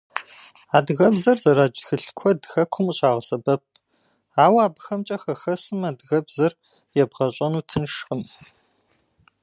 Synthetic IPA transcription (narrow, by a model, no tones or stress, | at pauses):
aːdɣɐbzɐrzɐɾaːd͡ʒxɨɬkʷʰɔdxɐkʷʰʊmɕʼaːʁəsɐbɐp̚ʰ | aːwaːbxɐmt͡ʃʼɐxɐxɐsɨmaːdɣɐbzɐr | jɛbʁɐɕʼɐnuːtʰɨnʂqəm